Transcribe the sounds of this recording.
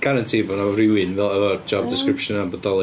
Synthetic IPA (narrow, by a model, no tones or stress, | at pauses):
ɡ̥aɾantʰibɔnavrɪwɪnvɛləəd͡ʒɔb̚dɪskɾɪpʃənabɔdɔlˠ